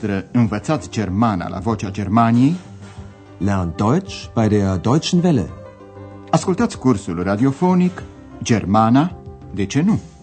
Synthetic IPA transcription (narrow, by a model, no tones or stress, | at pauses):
t̪ɾəɨnvət̪sat̪sʲd͡ʒe̞rmana̰lʔa̰vo̞t͡ʃad͡ʒe̞rmanije̞j | leand̪ojt͡ʃpajd̪ead̪ojt͡ʃnvelḛ | askult̪at̪sʲkursulrad̪io̞fo̞nik | d͡ʒe̞rmana | d̪e̞t͡ʃe̞nu